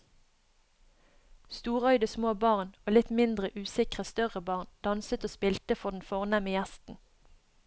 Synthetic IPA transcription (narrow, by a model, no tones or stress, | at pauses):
st̪uːʁœʏd̪əsmoːbɑʁnoːlɪt̪mɪnd̪ʁəʔʉːsɪkʁəst̪œʁəbɑːʁnd̪̥ɑnsət̪oːspɪlt̪əfɔʁd̪n̩foːʁnæməjæst̪n̩